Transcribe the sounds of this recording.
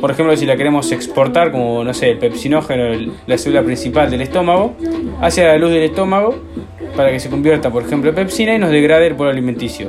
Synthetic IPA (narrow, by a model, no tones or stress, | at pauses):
poɾexe̞mplos̬ilakeɾe̞mo̞sekspo̞ɾt̪aɾko̞mono̞seːlpepsino̞xenolaselulapɾĩnsipald̪e̞le̞ht̪o̞maɣo̞asealaluzð̞e̞leht̪o̞maɣo̞ | paɾake̞seko̞mbje̞ɾt̪apoɾexe̞mplopepsinaino̞zðeɣɾað̞eːlpoloaliment̪isjo